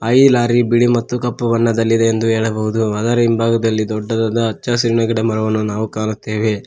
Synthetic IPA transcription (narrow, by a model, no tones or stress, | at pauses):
ɐjilaːɾibiɽimɐt̪ːukɐpːɐʋɐɳːɐd̪ɐlːid̪eend̪uɦeːɭɐbɐɦud̪uɐd̪ɐɾɐimbaːɡɐd̪ɐlːid̪ɔɖːɐd̪ɐd̪ɐːt͡ʃːasiɾɳɐɡɐɽemɐɾɐʋɐnːunaːʋukaːɳut̪ːeːʋe̞